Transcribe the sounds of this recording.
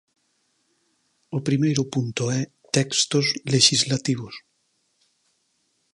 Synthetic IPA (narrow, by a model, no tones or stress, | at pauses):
opɾimejɾopunt̪oɛ | t̪ɛkst̪ozleʃizlat̪iβ̞os